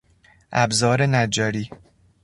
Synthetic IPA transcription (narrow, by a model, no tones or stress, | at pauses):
ʔæbzɒːɾenæd͡ʒæɾiː